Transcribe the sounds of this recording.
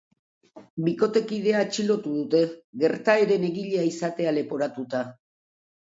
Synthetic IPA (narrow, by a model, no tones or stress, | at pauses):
biko̞t̪e̞kið̞e̞aːt͡ʃilo̞t̪uðut̪e̞ɣe̞ɾt̪aeɾe̞neɣiʎe̞aisat̪e̞ale̞po̞ɾat̪ut̪a